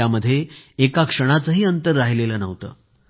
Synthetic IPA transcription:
aməd̪ʱːjeːkakʂəɽ̃at͡səɦiːənt̪əɾːaɦileləːnəʋt̪ə̰ː

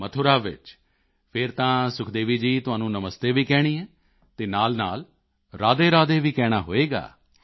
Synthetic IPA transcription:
mət̪ʰoːɾaːʋɪ̰t͡ʃ | pʰɪɾt̪ãːsʊkʰd̪eːʋiːd͡ʒiːt̪ʊɦaːnũːnəməst̪eːʋiːkɛːɽ̃iːɛ̃ː | t̪eːnaːlnaːl | ɾaːd̪eːɾaːd̪eːʋiːkɛːɽ̃aːɦo̰ːeːɡa̰ː

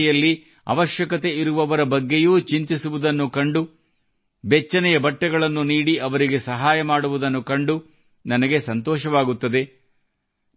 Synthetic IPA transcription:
jɐlːi | ɐ̰ʋɐʃjɐkɐt̪e̞iɾuʋɐʋɐɾɐbɐɡːe̞juːt͡ʃint̪isuʋud̪ɐnːukɐɳɖu | bɛt͡ʃːɐnɛjɐbɐʈːɛɡɐɭɐnːuniːɽiʔɐʋɐɾiɡe̞sɐɦaːjɐmaːɽuʋud̪ɐnːukɐɳɖu | nɐnɐɡe̞sɐnt̪ɔːʃɐʋaːɡut̪ːɐd̪e̞

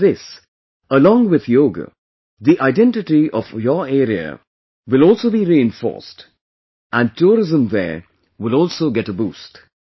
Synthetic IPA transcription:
ðɪs | əlɔ̃ŋwɪð̥joːɡə̰ | ðiʔaɪɖɛ̃nʈɪʈiɔfjəɛɾiə̰ | wɪlɔːlsoːbiɾiːɪ̃nfɔ̰ːst | ʔæ̃n̚ʈʰuːɾɪzə̃mðɛ̰ | wɪlɔːlˠsoːɡɛʈəbuːst

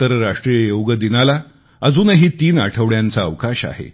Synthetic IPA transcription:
əɾɾaʂʈɾijəjoʋɡəd̪inala | əd͡zuːnɦiːt̪iːna̰ʈʰəʋɭjant͡saːʋkaɕa̰ɦḛ

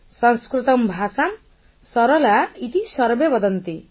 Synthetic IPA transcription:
sɔ̃nskɾit̪ɔmbʱasam | sɔɾɔlait̪isɔɾbebɔd̪ʌnt̪i

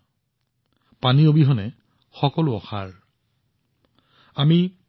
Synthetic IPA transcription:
paniobiɦɔnɛ | xɔkɔlʊɔxa̰ɹ | ami

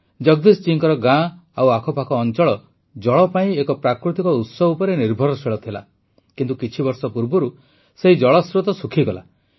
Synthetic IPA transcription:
d͡ʒɔɡ̚d̪ist͡ʃiŋkɔɾɔɡãawakʰɔpakʰɔːnt͡ʃɔɭɔ | d͡ʒɔɭɔpaĩekɔpɾakɾut̪ikɔut̪sɔbupɔɾeniɾbʱɔɾɔseɭɔt̪ʰila̰ | kint̪ukit͡ʃʰibɔɾsɔpuɾbɔɾu | seɦid͡ʒɔɭɔsɾut̪ɔsukʰiɡɔla̰

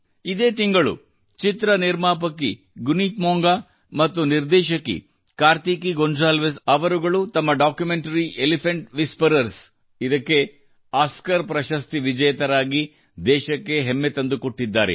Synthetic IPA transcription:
id̪e̞ːt̪iŋɡɐɭṵ | t͡ʃit̪ɾɐniɾmaːp̬ɐkːi | ɡuniːt̪moːŋɡaː | mɐt̪ːuniɾd̪ɛːʃɐkːḭ | kaːɾt̪iːkiɡonɖɾaːlʋesɐʋɐɾuɡɐɭut̪ɐmːɐɖaːkjumeɳʈɐɾiʔelipʰɐɳʈʋispɐɾɐɾs | id̪ɐkːe̞ | aːskɐɾpɾɐʃɐst̪iʋid͡ʒɐjɐt̪ɐɾaːɡi | d̪ɛːʃɐkːe̞ɦemːet̪ɐnd̪ukoʈːid̪ːaːɾḛ

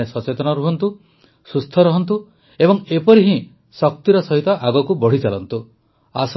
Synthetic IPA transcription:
esɔt͡ʃet̪ɔnɔɾuɦɔnt̪u | sust̪ʰɔɾɔɦɔnt̪̬u | ebɔŋepɔɾiɦĩ | sɔk̚t̪iɾɔsɔɦit̪ɔʔaɡɔkubɔɽ̤it͡ʃalɔnt̪u | as

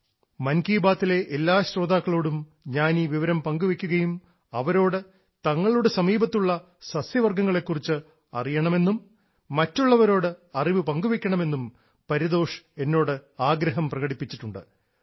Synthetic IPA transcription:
mɐnkiːbaːt̪ːile̞ʔelːaːɕɾo̞ːd̪aːkːɐɭoːɽum | ɲaːniːʋiʋɐɾɐmpɐŋɡuʋikʲːuɣɐjum | ɐʋɐɾo̞ːɽɨ | t̪ɐŋːɐɭuɽesɐmiːbɐt̪ːuɭːɐ | sɐsjɐʋɐrɡɐŋːɐɭe̞kːurit͡ɕːɨ | ɐ̰rijɐɳɐme̞nːumː | ɐtːuɭːɐʋɐɾo̞ːɽɨɐriʋɨpɐŋɡuʋikʲːɐɳɐme̞nːum | pɐɾiðo̞ːʂe̞nːo̞ːɽɨaːɡɾɐɦɐmprɐɣɐɽipːit͡ɕːiʈːuɳɖɨ̰

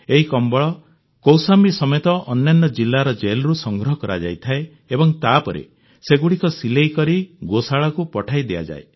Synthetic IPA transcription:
eɦikɔmbɔɭɔ | kowsambisɔmet̪ɔʔɔnːanːɔd͡ʒilːaɾɔd͡ʒelɾusɔŋɡɾɔɦɔkɔɾa̰d͡ʒa̰jt̪ʰaeː | bɔŋt̪apɔɾḛ | seɡuɽikɔsilejkɔɾiɡosaɭakupɔʈʰajd̪ea̰d͡ʒa̰ḛ

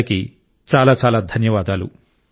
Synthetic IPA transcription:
ɐki | t͡ʃaːlaːt͡ʃaːlaːd̪ʱɐnjɐʋaːd̪aːlṵ

